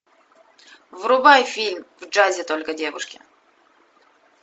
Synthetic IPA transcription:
vrʊbajfʲilʲmvd͡ʐazʲɪt̪o̞lʲkədʲe̞vʊ̰ʂkʲɪ̰

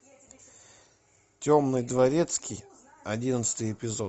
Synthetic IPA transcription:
tʲo̞mnɨjd̪vɐɾʲet̪skʲij | ɐdʲinət̪sɨ̥t̪ɨjɪpʲɪzot̪

